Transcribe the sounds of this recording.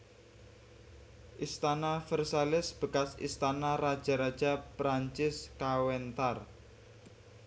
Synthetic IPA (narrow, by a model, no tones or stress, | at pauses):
ʔist̪anafərsalɪsb̥ə̤kasḭst̪anarad̥ʒ̥a̤ɾad̥ʒ̥a̤pɾaɲt͡ʃɪskawɛnt̪ar